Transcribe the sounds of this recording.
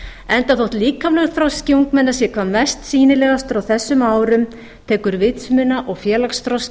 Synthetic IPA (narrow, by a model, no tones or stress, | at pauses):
ɛnt̪aθowht̪liːkamlɛɣɾθɾɔscɪuŋkmɛnːasjɛkʰvamɛst̪siːnɪlɛɣast̪ʏɾawθɛsːʏmaːwɾʏm | t̪ʰɛːkʏɾvɪt̪smʏnaʔɔɣfjɛːlaksθɾɔs